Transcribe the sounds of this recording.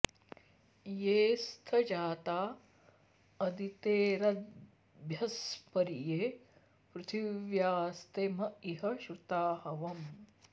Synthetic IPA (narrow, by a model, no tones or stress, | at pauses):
jeːst̪ʰɐd͡ʒaːt̪aː | ɐd̪it̪eːɾɐd̪ | bʱjɐspɐɾije | pɾut̪ʰiʋjaːst̪emɐiɦɐʃɾut̪aːhɐʋɐm